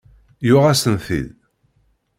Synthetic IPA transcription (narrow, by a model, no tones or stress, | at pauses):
jʊʁæsənθḭð